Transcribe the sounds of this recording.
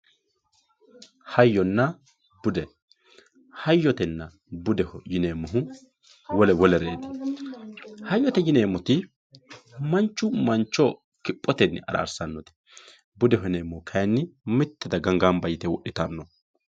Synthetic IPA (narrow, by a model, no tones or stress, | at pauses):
hɐjːɔnːɐ | b̥ʊd̪ɛ | hɐjːɔt̪ɛnːɐ | bʊd̪ɛhɔjɪneːmːʊɦʊ | wɔlɛwɔlɛɾeːd̪ɪ̥ | hɐjːɔt̪ɛjɪneːmːɔt̪ɪ | mɐnt͡ʃːʊmɐnt͡ʃːɔ | kɪpʼːɔt̪ɛnːɪɐ̰ɾa̰ːɾsɐnːɔt̪ɛ̥ | bʊd̪ɛhɔneːmːɔhkʰɐjnːɪmɪt̪ːɛd̪ɐɡɐŋɡambɐjɪt̪ɛwɔʔɪt̪ɐnːɔ